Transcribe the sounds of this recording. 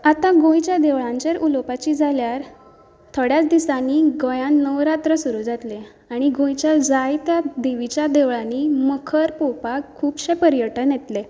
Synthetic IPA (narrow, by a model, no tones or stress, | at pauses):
at̪aɡõjt͡ɕjad̪eʋɭãɲt͡ɕeɾʔulopat͡ɕiːd͡zʱaljaɾ | t̪ʰəɽjat͡sd̪isãniːɡojãnnːəʋɾat̪ɾəsuɾud͡zat̪le | aɽ̃iɡõjt͡ɕjad͡zajt̪jad̪eʋit͡ɕjad̪eʋɭaniməkʰəɾpowpakkʰːuːpɕepəɾjəʈənjet̪le